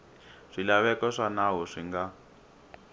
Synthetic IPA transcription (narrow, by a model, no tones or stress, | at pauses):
ʂilaβɛkɔʂanaɦɔʂiŋɡa